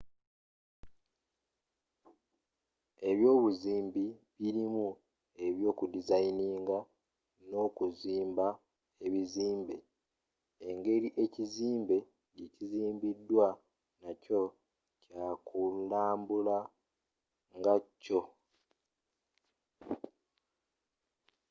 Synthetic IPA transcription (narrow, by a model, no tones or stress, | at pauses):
e̞βjo̞ːβuziːmbiβiɾimu | e̞βjo̞ːkudizainiːŋɡa | no̞ːkuziːmba | e̞βiziːmbe̞̰ | eŋɡe̞ɾiʔe̞ciziːmbe̞ | ɡiciziːmbidːwa | naco̞ | cakulaːmbula | ŋɡacːo̞